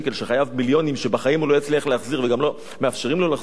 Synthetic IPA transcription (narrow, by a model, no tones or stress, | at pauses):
ke̞lʃeχajavmiljo̞nimʃebaχajimhulo̞jat͡sliaχleaχziʁveɡamlo̞ | meafʃeʁimlolaχ